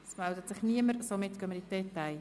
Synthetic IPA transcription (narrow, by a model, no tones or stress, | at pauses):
smaldətsɪχniəməɾsomɪtkœmənidɛtaɪ